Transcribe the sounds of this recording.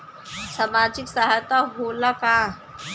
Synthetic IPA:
samaːd͡ʒɪksaɦajt̪aɦoːlakãː

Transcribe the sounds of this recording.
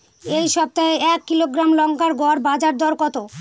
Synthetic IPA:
ejʃɔb̚t̪aeɛkːiloɡɾamlɔŋkaɾɡɔɾbad͡ʑaɾd̪ʱɔɾkɔt̪o

